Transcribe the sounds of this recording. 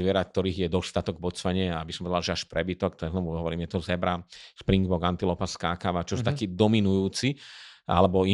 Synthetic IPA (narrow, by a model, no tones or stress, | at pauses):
ʋɪɛɾak̚t̪ɔɾiːɣjɛd̪ɔst̪at̪ɔɡbɔt͡sʋaɲɪɛaabisɔmpɔɛd̪alʒɛaʃpɾɛbit̪ɔkt̪ɔɛznɔmɦɔʋɔɾiːmjɛt̪ɔzɛbɾaʃpɾiŋɡbɔɡant̪ilɔpaskakaʋat͡ʃɔsut̪akiːd̪ɔminujuːt͡sia̰lɛbɔi